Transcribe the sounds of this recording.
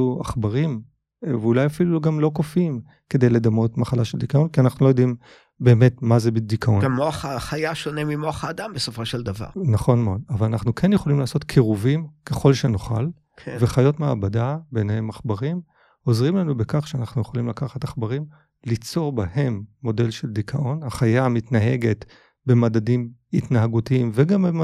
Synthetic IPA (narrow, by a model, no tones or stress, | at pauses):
ua̰χbaʁim | vulajafiluɡamlo̞kofim | ke̞d̪e̞jle̞d̪amo̞tmaχalaʃeld̪ikao̞nkianaχnulo̞jod̪im | be̞ːme̞tmazebedikʰaʔonɡamːoaχaχajaʃo̞nemimoaχaːd̪ambesofo̞ʃeld̪ava̰ʁnaχo̞nmeodavalanaχnukʰenjeχolimlaːso̞tkʰeʁuvimke̞χo̞lʃenoχa̰lʰ | veχajo̞tmeabadabenhe̞maχbaʁim | o̞zʁimlanubekaχʃeanaχnujeχolimlakaχataχbaʁim | lit͡so̞ʁbahe̞mːo̞de̞lʃe̞ldikʰaʔo̞nhaχajamitnaɦe̞ɡe̞t | bemadadimitnaɦaɡutiimveɡamm